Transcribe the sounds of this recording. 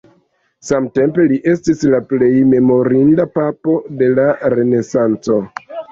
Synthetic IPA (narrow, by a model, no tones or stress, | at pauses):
samte̞mpe̞liʔe̞stislaple̞jme̞mo̞ɾindapapo̞de̞laɾe̞ne̞sant͡so̞